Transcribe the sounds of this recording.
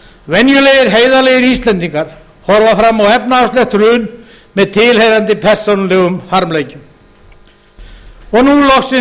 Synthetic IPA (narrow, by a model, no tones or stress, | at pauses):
vɛnjʏlejɪɾɦeːjðaleːjɪɾist̪lɛnt̪iŋkaɾ̥ | hɔɾvafɾamːawɛpnaafstlɛxt̪ɾʏːn | mɛðt̪ʰɪlhejɾant̪ɪpʰɛr̥sonlɪɣʏmhaɾmleːjcʏm | ɔɣnulɔxsɪ